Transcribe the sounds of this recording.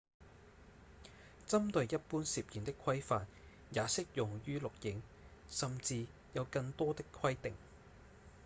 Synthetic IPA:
t͡sɐ˥mt̪ɵ˨ɥjjɐ˥t̚puː˥nsiː˨p̚jiː˨nt̪ɪ˥kʰwɐ˥jfaː˨n̚ | jaː˨˥sɪ˥k̚jʊ˨ŋjyː˥lʊ˨k̚jɪ˨˥ŋsɐ˨mt͡siː˧ | jɐ˨˧wkɐ˧ŋt̪ɔː˥t̪ɪ˥kʰwɐ˥jt̪ɪ˨ŋ

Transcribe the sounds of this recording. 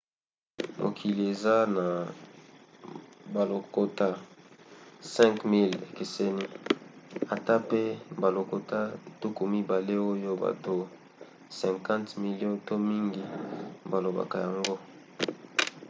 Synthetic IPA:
mʔo̰˨kʰi˨li˨e˨za˦na˨ | ba˨lo˨ko˦ta˦ | sɛ̃˦ŋkmi˦lḛ˨ke˨se˦ni˦ | a˨ta˦pe˦ba˨lo˨ko˨ta˦tu˦ku˨mi˦ba˨le˦o˦jo˦ba̰˨to˦ | sɛ̃˨ŋkã˦ntmi˨ljɔ̃˦to˦mi˦ŋɡi˦ba˨lo˨ba̰˨ka˨ja˨ŋɡo˦

